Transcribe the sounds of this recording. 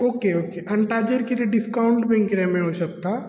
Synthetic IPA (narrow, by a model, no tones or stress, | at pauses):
oːkeoːkeʔɐ̃ɳʈaːd͡ʒeɾkeleɖɪskaːʊ̃ɳʈbʱɛ̃ŋkɾɛ̃mẽɦoːsɐk̚t̪a